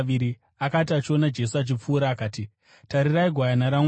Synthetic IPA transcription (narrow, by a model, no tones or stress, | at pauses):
iɾi | akatiat͡ʃio̞nad͡ʒe̞suat͡ʃip͡fuːɾaːkaːti | taɾiraiɡʱwajanaɾaŋ